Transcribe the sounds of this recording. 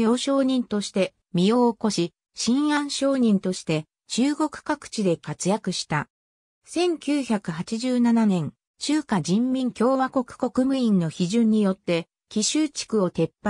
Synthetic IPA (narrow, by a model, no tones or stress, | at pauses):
jo̞ːɕo̞ːɲ̟ĩnt̪o̞ɕi̥t̪e̞ | mʲijo̞ːko̞ɕi | ɕĩɰ̃ãɰ̃ɕo̞ːɲ̟ĩnt̪o̞ɕi̥t̪e̞ | t͡ɕɨːɡo̞kɯ̟̥kakɯ̟̥t͡ɕid̪e̞kat͡sɨjakɯ̟ɕi̥t̪a | sẽ̞ŋkʲɨːçakɯ̟hat͡ɕiʑɨːnananẽ̞ŋ | ɕɨːkad͡ʑĩmːʲĩŋkʲo̞ːβako̞kɯ̟̥ko̞kɯ̟mɯ̟ĩnːo̞çiʑɨ̃ɲ̟ːijo̞t̪ːe̞ | kʲiɕɨːt͡ɕi̥kɯ̟o̞t̪e̞pːa